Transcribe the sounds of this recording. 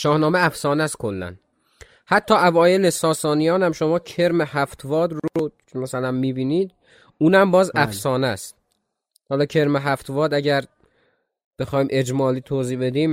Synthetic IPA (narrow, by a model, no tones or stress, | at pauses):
ʃɒːhnɒːmeæfsɒːnæst̪̚kʰolːæ̰n | hæt̪ʰːɒːævɒːje̞le̞sɒːsɒːnijɒːnæmʃo̞mɒːcʰeɾmehæft̪ʰvɒːd̪ɾo | mæsælænmiːbiːniːd̪ | uːnæmbɒːzʔæfsɒːnæst̪ | hɒːlɒːcʰe̞ɾmeɦæft̪vɒːd̪æɟæɾ | b̥e̞xɒːjmʔe̞d͡ʒmɒːliːt̪ʰoːziːbe̞d̪iːm